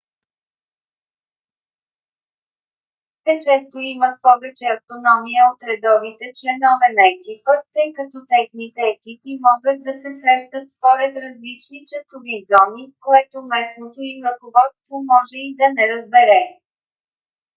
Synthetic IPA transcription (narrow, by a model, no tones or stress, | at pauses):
t̪ɛt͡ʃɛst̪oimət̪̚pɔvɛt͡ʃɛɐft̪onɔmijəot̪ɾɛd̪ɔvit̪ɛt͡ʃlɛnɔvɛnɐɛkipət̪ɤjkɐt̪ɔt̪ɛxnit̪ɛːkipimɔɡət̪̚d̪ɐsɛsɾɛʃt̪ət̪spoɾɛt̪ɾɐzlit͡ʃnit͡ʃɐsovizɔmikoɛt̪omɛsnot̪oimɾəkovɔt̪st̪vomɔʒɛid̪ɐnɛɾəzbɛɾɛ